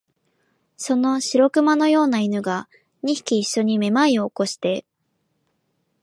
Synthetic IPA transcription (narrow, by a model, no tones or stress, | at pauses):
so̞no̞ɕiɾo̞kɯ̟mano̞jo̞ːnainɯ̟ɡa | ɲ̟içi̥kʲiːɕːo̞ɲ̟ime̞maio̞ːko̞ɕi̥t̪e̞